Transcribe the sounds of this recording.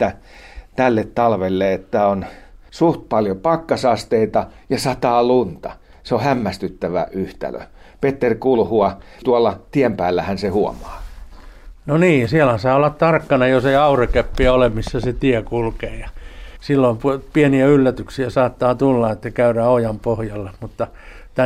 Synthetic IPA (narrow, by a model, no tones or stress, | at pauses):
t̪ːæ | t̪ælːet̪tɑlʋelːeet̪ːæonsuht̪̚pɑljopɑkːɑsɑst̪eit̪ɑjɑsɑt̪ɑːlunt̪ɑ̰ | seohæmːæst̪yt̪ːæʋæ̰ʔyht̪æ̰lø̰ | pet̪ːerʲkulhuɑ | t̪uɑlːɑt̪iempæːlːæhænsehuo̰mɑ̥ː | noniːsiælhæsɑːolːɑt̪t̪ɑrkːɑnɑjoseiɑurekepːiæolemmisːæset̪iɛkulkeːjɑsilːoimpupieniæylːæt̪yksiæsɑːt̪ːɑːt̪ulːɑet̪ːækæyræːojɑmpohjɑlːemut̪ːɑ | t̪æ